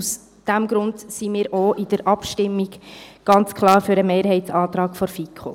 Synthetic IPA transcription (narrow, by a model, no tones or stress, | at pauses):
us | d̥æmɡ̥ɾʊndsimiːɾʔoʔɪd̥əɾʔɑpʃtɪmːiɡɡ̥ɑnt͡skʰχlˠɑːɾføɾəmeːɾɦɛɪtsɑːt̪ɾɑːkfɔɾfikʰχo̰